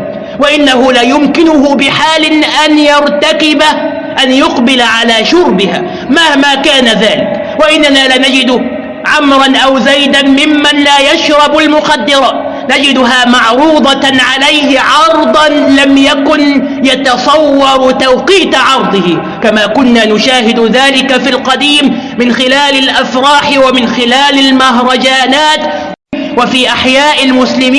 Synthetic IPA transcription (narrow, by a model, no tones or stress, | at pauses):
waʔɪnːaɦʊlaːjʊmkɪnʊhʊbɪħaːlɪnʔanjɑɾt̪akɪba | ʔanjʊqbɪlaʕalaːʃʊɾbɪha̰ː | mahmaːkaːnaðaːlɪk | waʔɪnːanaːlaːnad͡ʒɪd̪ʊ | ʕamɾˤɑnʔawzajd̪anmɪmːanlaːjaʃɾˤɑbalmʊqad̪ːɪɾˤɑ | nad͡ʒɪd̪ʊɦaːmɑʕɾuːd̪ˤɑʕalajhɪʕɑɾˤd̪ˤɑnlamjakʊn | jɑt̪ɑsˤɑwːɑɾˤt̪awqiːt̪ʕɑɾˤd̪ˤɨhɪ | kamaːkʊnːaːnʊʃaːɦɪd̪ʊðaːlɪkafilqɑd̪iːmː | ɪnxɪlaːlalʔafɾˤɑːħɪwamɪnxɪlaːlalmaɦɾˤɑd͡ʒaːnaːt̪ | wafiːʔaħjaːʔɪlmʊslɪmː